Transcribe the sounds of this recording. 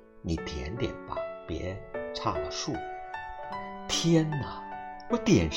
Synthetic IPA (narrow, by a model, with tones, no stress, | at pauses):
ni˨˩˦t̪ʰjɛ˧˥˦nt̪jɛ̰˨˩npa̰˧˦˩pjɛ̰˧˥ʈ͡ʂʰa˥˩lə˨ʂu˥˩ | t̪ʰjɛ˥nə˨wɔ˧˥t̪jɛ˨˩nʂ